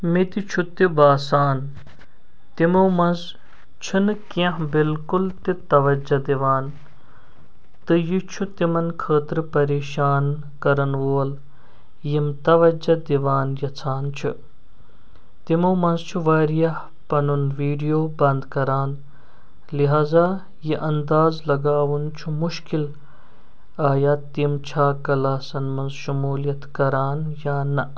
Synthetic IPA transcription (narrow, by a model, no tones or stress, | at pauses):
mit̪it͡ʃʰut̪ibaːsaːn | t̪imoːmɐnz | t͡ʃʰinɨkɐ̃ɦbilkʊlt̪it̪ɐʋɐd͡ʒɐd̪iʋaːn | t̪ɨjit͡ʃʰut̪imɐnkʰəːt̪ɾɨpɐɾeːʃaːn | kɐɾɐnʋoːl | jimt̪ɐʋɐd͡ʒɐd̪iʋaːnjɐt͡sʰaːnt͡ʃʰṵ | t̪imɐwmɐnzt͡ʃʰuʋaːɾijɐh | pɐnunʋiːɖijoːbɐnd̪kɐɾaːn | liɦaːzaː | jiʔɐnd̪aːzlɐɡaːʋunt͡ʃʰumuʃkil | aːjaːt̪ːimt͡ʃʰaːkɐlaːsɐnmɐnzʃumuːljɐt̪kɐɾaːnjaːnɐ